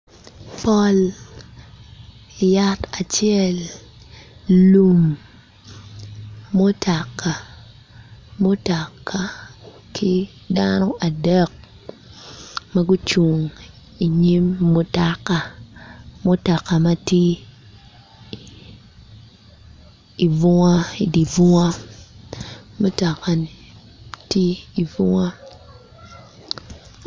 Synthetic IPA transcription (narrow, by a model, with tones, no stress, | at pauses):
pɔ˦l | ja˦ta˨t͡ʃjɛ˦l | u˨m | o˦tʰa˨kːa˨ | mo˦ta˨kːa˨ | kʰi˦ | danɔ˦ʔa˨dɛ˦k̚ | mɐ˦ɡu˦t͡ʃu˨ŋ | i˨ɲi˦mːu˦ta˦kːa˨ | mu˦ta˨kːa˨ma˦ti˦ | i˨vu˦ŋa˦i˨di˨vu˦ŋa˦ | mu˦ta˨kːa˨n | ti˦i˨vu˦ŋa˦